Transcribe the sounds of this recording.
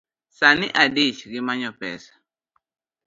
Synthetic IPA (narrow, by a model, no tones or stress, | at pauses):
sanɪʔadit͡ʃɡɪmaɲɔpɛ̰sḁ